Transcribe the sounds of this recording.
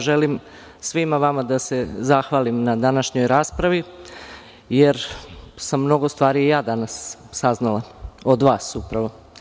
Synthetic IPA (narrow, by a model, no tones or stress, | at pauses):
ʒelim | sʋimaʋamad̪ase̞zaxʋaːlimnad̪anaʃɲo̞jɾaːspɾaʋi | je̞ɾsamːno̞ɡo̞st̪ʋaːɾijjaːd̪anasːaznalˠaod̪ʋaːsupɾaʋo̞